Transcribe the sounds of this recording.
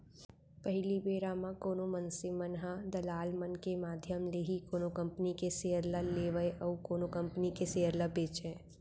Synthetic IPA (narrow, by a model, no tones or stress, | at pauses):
pəɦɪlibeːɾamãkoːnomənsɪmənɦãd̪ɐlaːlmənkemaːd̪ʱjəmleːɦikoːnokə̃mpənikeseːəɾlaleːʋəeʔɔukoːnokɐ̃mpənikeseːɦəɾlabeːt͡ʃẽː